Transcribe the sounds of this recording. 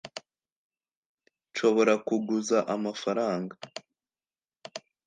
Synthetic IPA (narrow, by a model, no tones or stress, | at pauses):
ʃo̞βo̞ɾakuɡuzaʔamafaɾaːŋɡa